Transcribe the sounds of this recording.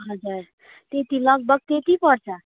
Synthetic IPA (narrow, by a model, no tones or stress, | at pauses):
ɦʌd͡zur | t̪et̪ilʌɡ̚bʌɡ̚t̪et̪ipʌɾt͡sʰʌ